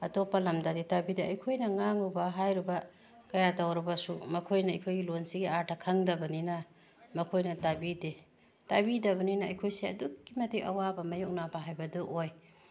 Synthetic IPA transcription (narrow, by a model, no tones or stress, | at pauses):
ɐtopalɐmdaditabideɐjkʰojnɐŋaŋubaɦajɾiba | kɐjatawɾɐbɐsumɐkʰojnɐɐjkʰojɡilonsiɡiaɾtʰakʰaŋdɐbɐnina | mɐkʰojnɐtabide | tabidɐbɐninɐɐjkʰojseɐ̰dukːimɐtiʔɐwabɐmɐjuk̚nabaɦajbɐduʔoj